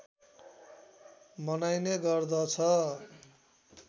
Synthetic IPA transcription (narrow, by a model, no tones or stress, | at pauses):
mʌnajneɡʌrd̪ʌt͡sʰʌ